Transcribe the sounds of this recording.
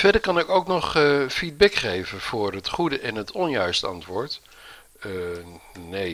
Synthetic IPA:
v̥ɛdəɹkɑnɪkowknɔχfid̚bɛkχejvənv̥ʊːɹɦətχudəʔɛnɦətɔnjœɥstəɑ̰ntʋʊːɹt | ne

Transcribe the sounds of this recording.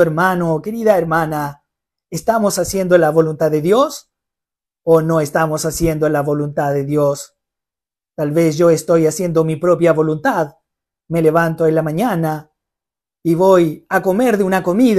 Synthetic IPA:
eɾmanoke̞ɾiðaeɾmãna | est̪amosasje̞nd̪olaβo̞lunt̪aððeðjos | ono̞est̪amosasje̞nd̪olaβo̞lunt̪aðeðjos | t̪alβes̬ʝo̞est̪o̞jasje̞nd̪omipɾopjaβo̞lunt̪að | me̞leβant̪oelamãɲana | iβojako̞meɾðeunako̞mið

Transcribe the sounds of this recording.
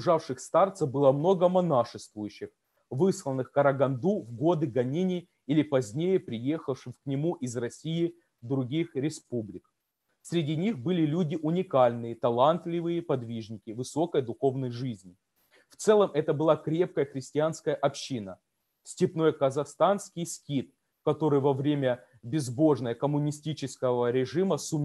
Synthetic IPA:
ʐafʂɨxst̪art̪səbɨlˠəmno̞ɡəmɐnaʂɨst̪vʊjʉɕːɪx | vɨslˠənːɨxkɐɾɐɡɐnd̪uvɡo̞d̪ɨɡɐnʲenʲɪ | ilʲɪpɐzʲnʲejəpɾʲɪje̞xəfʂɨmknʲɪmuʔɪzrɐsʲijɪ | vd̪ɾʊɡʲixɾʲɪspublʲɪk | sʲɾʲɪdʲinʲixbɨlʲɪlʲudʲɪʔʊnʲɪkalʲnɨjət̪ɐlˠant̪lʲɪvɨjəpɐd̪vʲiʐnʲɪkʲɪvɨso̞kəjd̪ʊxo̞vnəjʐɨzʲnʲɪ | ft̪sɛlˠəmʔɛt̪əbɨlˠakɾʲe̞p̚kəjəxɾʲɪsʲtʲɪanskəjəʔɐpɕːinə | sʲtʲɪpno̞jəkəzɐxst̪anskʲɪjsʲkʲit̪̚ | kɐt̪o̞ɾɨjvɐvɾʲemʲə | bʲɪzbo̞ʐnəjəkəmʊnʲɪsʲtʲit͡ɕɪskəvəɾʲɪʐɨməsʊmʲ

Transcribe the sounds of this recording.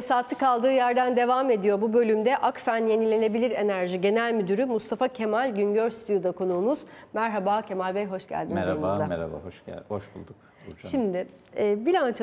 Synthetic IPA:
saːt̪ʰːɯkalˠd̪ɯːjæɾd̪ænd̪e̞vaːme̞d̪ijo̞bubø̞lʲymd̪ɛʔakfænje̞nilʲe̞ne̞bilʲiɾe̞næɾʒiɟe̞nælʲmyd̪yɾymust̪ʰafacʰe̞malʲɟyɲɟøɾsy̥t̪ʰyjud̪akʰo̞nuːmuz̥mæɾɦabaːcʰe̞malʲbɛjɦo̞ʃɟæ̰lʲd̪inizoɾmuzd̪amɛ̰ɾa̰ba̰hoʃæ̰loʃbṵlˠd̪uk | ʃimd̪ɪɛːbiɾant͡ʃʰ

